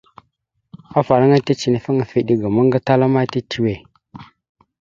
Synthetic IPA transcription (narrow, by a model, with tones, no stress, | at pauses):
a˦fa˨ɾa˦ŋa˦ta˦t͡ʃi˨nə˨fa˦ŋa˨fi˦ɗi˦ɡa˨ma˦ŋɡa˦ta˦la˦ma˦ti˦tʰi˨we˨